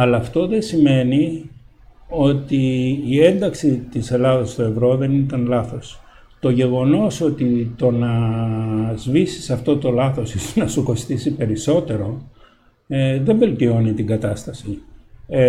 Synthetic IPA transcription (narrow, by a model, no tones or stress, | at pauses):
ɐlɐːft̪o̞ðe̞sime̞ni | o̞t̪iːe̞nd̪ɐksit̪ise̞lɐðɐst̪o̞e̞vɾo̞ðe̞nit̪ɐnlɐθo̞s | t̪o̞ʝe̞ɣo̞no̞so̞t̪it̪o̞nɐ | zvisi̥sɐft̪o̞t̪o̞lɐθo̞sisonɐsuko̞st̪isipe̞ɾiso̞t̪e̞ɾo̞ | ðe̞ɱve̞lt̪io̞nit̪iŋɡɐt̪ɐst̪ɐsi